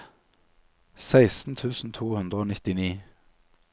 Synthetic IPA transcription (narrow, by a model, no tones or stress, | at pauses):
sæɪst̪n̩t̪ʰʉːsn̩t̪ʰuːhʉnd̪ʁəoːnɪt̪ɪniː